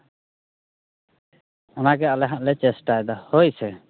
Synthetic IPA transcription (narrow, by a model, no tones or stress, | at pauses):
ɔnaɡɛalɛɦaʔlɛt͡ʃɛsʈajd̪ɔhojsɛ